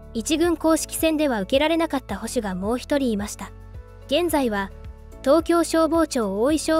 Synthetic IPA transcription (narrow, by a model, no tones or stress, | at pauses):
it͡ɕiɡɯ̟̃ŋko̞ːɕi̥kʲi̥sẽ̞nd̪e̞βaɯ̟ke̞ɾaɾe̞nakat̪ːaho̞ɕɨɡamo̞ːçi̥t̪o̞ɾʲiːmaɕi̥t̪a | ɡ̥ẽ̞nd͡zaiβa | t̪o̞ːkʲo̞ːɕo̞ːbo̞ːt͡ɕo̞ːoiɕoː